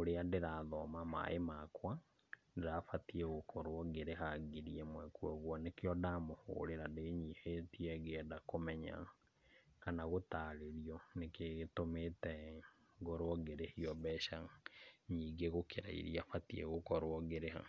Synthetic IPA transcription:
oɾeadeɾaðɔmama̰ʔemakwa | deɾafatiɛɣokʰɔɾwɔɡeɾeɦaɡiɾiemwɛkwɔɣwɔnekeɔdamoho̰ːɾeɾandeɲihetiɛɣeɛdakomɛɲa̰ | kanaɣotaɾeɾiɔnekeɣetometɛ | ŋɡɔɾwɔɡeɾehiɔβɛʃaɲiːɡeɣokʰeɾa̰ḭɾiafatiɛɣokɔɾwɔɡeɾeha̰

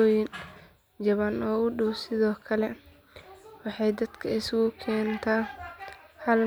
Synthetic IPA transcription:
ɔːjɪn | d͡ʒɐβanɔːʊɖʊwsɪðɔːkʰɐlɛ | wɑħɑjd̪ɐd̪kʰɐɪsʊɡʊkʰɛːnt̪ʰaː | hɐl

